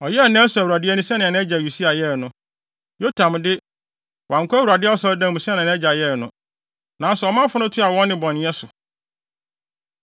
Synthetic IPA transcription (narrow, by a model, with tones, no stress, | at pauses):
ɔ˨jɛ˦˨nã˦su˨æ˨u˨ɾa˨dɪ˦ɛ˦nʊ̃˦si˦nã˨nɛ̃˦d͡ʑa˨ju˨si˦a˨jɛ˦˨nʊ̃˦ | jo˦tʰã˨mdɪ˦ | wã˨ŋ˨kʰʊ˦æ˦wu˨ɾa˨dɪ˦ɛ˦ɔ˦sɔ˦ldã˦˨mũ˨si˦nã˨nɛ̃˦d͡ʑa˨jɛ˦˨nʊ̃˦ | nã˨˦n˦sɛ˨ɔ˨mã˦fʊ˦nʊ̃˦tʰu˦a˨wɔ̃˦nːɪ̃˨bɔ̃˨ñ˦ɛ˦sʊ˨